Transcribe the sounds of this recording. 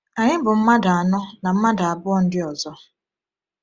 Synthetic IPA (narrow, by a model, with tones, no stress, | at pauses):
a˨ɲɪ˦bʊ˨m̩˦ma˦da˨a˨nɔ˦na˨m̩˦ma˦da˨a˨bʊ˦ɔ˦n̩˦dɪ˦ɔ˨zɔ˦